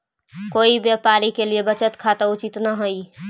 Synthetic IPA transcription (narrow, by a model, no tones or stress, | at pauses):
koibjapaɾikeliebət͡ʃət̪kʰat̪əut͡ʃit̪nəɦoj